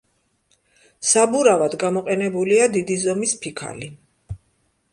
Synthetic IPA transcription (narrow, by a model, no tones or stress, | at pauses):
sabuɾavad̪ɡamɔqʼɛnɛbuliad̪id̪izɔmispʰikʰa̰li